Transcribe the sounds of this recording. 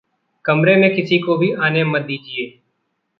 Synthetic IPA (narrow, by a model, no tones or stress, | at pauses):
kəmɾeːmẽːkɪsiːkoːbʱiːʔaːnẽːmət̪̚d̪iːd͡ʒɪeː